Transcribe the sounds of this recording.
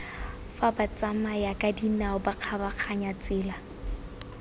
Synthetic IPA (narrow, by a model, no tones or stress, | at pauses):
fabat͡sʼamajakʼadinaʊbaq͡χʰabaq͡χʰaɲat͡sʼɪːla